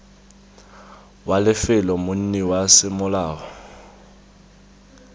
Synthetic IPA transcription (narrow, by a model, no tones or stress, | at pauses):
walɪfɪlɔmʊn̩niwasɪmʊlaːwɔ